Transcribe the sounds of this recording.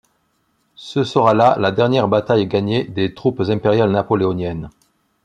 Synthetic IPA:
səsəʁalalad̪ɛʁnjɛʁbat̪ajɡaɲed̪et̪χupzɛ̃peʁjalnapɔleɔnjɛn

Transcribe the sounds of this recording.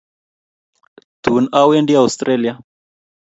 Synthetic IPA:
t̪unawɛndiaust̪ɾʔɛlia

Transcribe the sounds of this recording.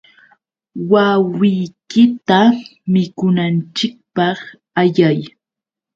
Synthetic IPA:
wawɪjkɪt̪amɪkʊnant͡ʃɪk̚pɑχ | aʎaj

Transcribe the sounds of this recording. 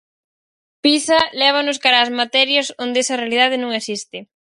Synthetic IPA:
pisɐlɛβ̞anʊskaɾaːzmat̪ɛɾjɐsond̪eɛsɐrealið̞að̞ɪnõŋesist̪ɪ

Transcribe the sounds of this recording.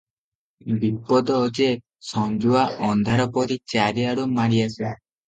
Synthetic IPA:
bipɔd̪ɔod͡ʒe | sɔnd͡ʒuaʔɔnd̪ʱaɾɔpɔɾit͡ʃaɾiaɽumaɾiase

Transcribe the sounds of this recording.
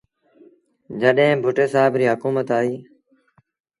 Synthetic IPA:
d͡ʒəɗɦẽːbʱʊʈeːsaːɦɪbɾiːɦʊkuːmət̪aːɦiː

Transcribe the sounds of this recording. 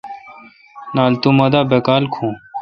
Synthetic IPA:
naːlt̪umɐd̪aːbekaːlkʰũː

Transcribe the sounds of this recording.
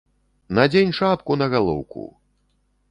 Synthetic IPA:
nɐd͡zʲenʲʂapkunɐɣalˠɔ̰wkṵ

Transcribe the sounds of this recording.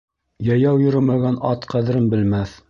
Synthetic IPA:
jɑjɑwjɤ̆ɾɘ̆mæɡænɑt̪qʰæðɘ̆ɾɘnbɘ̆lmæθ

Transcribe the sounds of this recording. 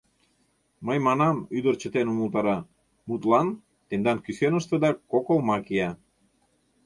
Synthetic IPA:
məjmɑnɑmyd̪ərt͡ɕət̪enumult̪ɑɾɑ | mut̪lɑn | t̪end̪ɑnkysenəʃt̪əd̪ɑkokolmɑkiɑ

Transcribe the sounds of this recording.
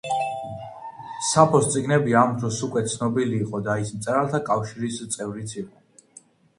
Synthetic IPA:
sapʰɔst̪sʼiɡnɛbiamd̪ɾɔsukʼwɛt̪sʰnɔbiliːqʼɔd̪aismt̪sʼɛɾalˠt̪ʰakʼafʃiɾist̪sʼɛvɾit̪sʰiqʼɔ

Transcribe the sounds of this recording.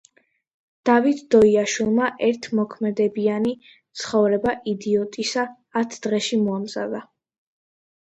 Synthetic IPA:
d̪̥avit̪ʰd̪̥ɔiaʃwilˠmaʔɛɾt̪ʰmɔkʰmɛd̪ɛbiani | t̪sʰχɔvɾɛbaʔid̪iɔt̪ʼisaː | t̪ʰd̪̥ʁɛʃimɔamza̰d̪a

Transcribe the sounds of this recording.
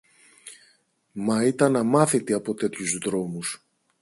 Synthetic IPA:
mɐit̪ɐnɐmɐθit̪eɐpo̞t̪e̞t̪çuzðɾo̞mus

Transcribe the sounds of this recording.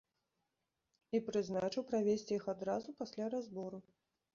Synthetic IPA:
ipɾɨznat͡ʂɨwpɾavʲesʲt͡sʲijixad̪ɾazupasʲlʲaɾazbɔɾu

